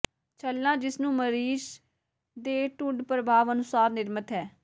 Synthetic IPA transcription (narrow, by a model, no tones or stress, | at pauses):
t͡ʃʰəlːãːd͡ʒɪsnũːməɾiːʃ | d̪eːʈʊɳɖpɾəbʱaːʋənʊsaːɾnɪɾmət̪ɦɛː